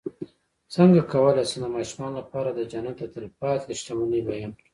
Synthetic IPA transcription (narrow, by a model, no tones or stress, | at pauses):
səŋɡakawəlasand̪əmɑːʃumɑnlapɑɾad̪əd͡ʒanat̪ət̪ɪlfɑt̪ɪʃt̪amunəjbajəm